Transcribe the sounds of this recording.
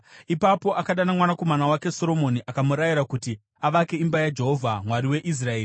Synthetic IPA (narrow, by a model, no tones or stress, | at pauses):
ipapo̞ʔakaɗanamwanako̞manawake̞so̞ɾo̞mo̞niʔakamuɾajiɾakuti | aʋake̞imbajad͡ʒe̞ɦo̞vʱamwaɾiwe̞ʔis̬rae̞ːri